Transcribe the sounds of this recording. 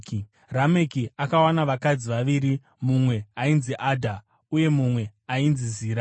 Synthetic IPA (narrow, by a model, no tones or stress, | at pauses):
k | rame̞kiakawanaʋakad͡ziʋaʋiɾi | mumwe̞ainziʔadʱa | uje̞mumwe̞ainziziːɾa